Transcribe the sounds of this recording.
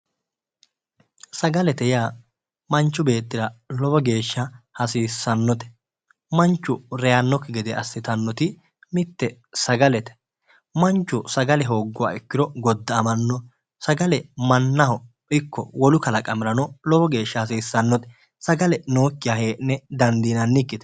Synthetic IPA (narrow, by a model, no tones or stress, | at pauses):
sɐɡɐlɛt̪ɛjaː | mɐnt͡ʃːʊbe̞ːt̪ːɪɾɐlɔbɔɡe̞ːʃːɐhɐsiːsːɐnːɔt̪ɛ̥ | mɐnt͡ʃːʊɾɛjɐnːɔkːɪɡɛd̪ɛɐsːɪt̪ɐnːɔt̪ɪ | mɪt̪ːɛ | sɐɡɐlɛt̪ɛ̥ | mɐnt͡ʃːʊsɐɡɐlɛɦo̞ːɡːʊwa̰ːɪkːɪɾɔɡɔd̪ːɐːmɐnːɔ | sɐɡɐlɛmɐnːɐhɔ | ʔɪkːɔ̰wɔlʊkɐlɐkʼɐmɪɾɐnɔlɔbɔɡe̞ːʃːɐhɐsiːsːɐnːɔt̪ɛ̥ | sɐɡɐlɛno̞ːkːɪjaheːnːɛd̪ɐnd̪iːnɐnːɪkːɪt̪ɛ̥